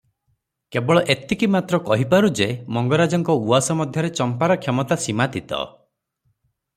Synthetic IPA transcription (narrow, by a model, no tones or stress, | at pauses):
kebɔɭɔʔet̪ikimat̪ɾɔkɔɦipaɾud͡ʒemɔŋɡɔɾad͡ʒɔŋkɔuasɔmɔd̪ʱjɔɾet͡ʃɔmpaɾɔkʰjɔmɔt̪asimat̪it̪ɔ̰